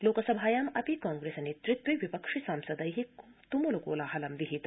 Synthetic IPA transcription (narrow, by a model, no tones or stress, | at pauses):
loːkɐsɐbʱaːjamɐpikãːŋɡɾeːsɐneːt̪ɾit̪ʋiʋipɐkʂisaːmsɐd̪ɐjɦit̪umulokoːlaɦɐlɐmd̪iɦit̪